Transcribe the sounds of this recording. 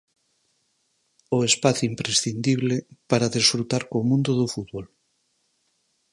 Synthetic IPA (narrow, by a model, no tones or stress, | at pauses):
oespaθjuimpɾesθind̪iβlepaɾaðesfɾut̪aɾkomũnd̪oðufut̪βol